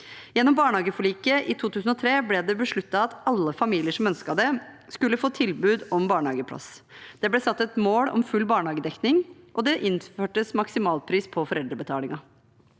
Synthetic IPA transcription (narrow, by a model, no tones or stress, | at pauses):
jɛnːɔmbɑːɳhɑːɡəfɔɭiːkəʔɪt̪ʰuːt̪ʰʉːsn̩ɔt̪ʰɾeːblɛd̪ɛbəʂɭʉt̪ːɑɑt̪ɑlːəfɑmiːlɪəʂɔmœnskɑd̪ɛ | skʉlːəfoːt̪ʰɪlbʉːd̪ɔmbɑːɳɑ̰ːɡəpʰɽɑ̰sd̪̥ɛblɛsɑt̪ːɛt̪moːɽɔ̰mfʉlbɑːɳhɑːɡəd̪ɛknɪŋʔɔd̪ɛʔɪnføːʈəsmɑksɪmɑːlpʰɾiːspʰɔfɔɾɛld̪ɾəbət̪ʰɑ̰ːlɪŋɑ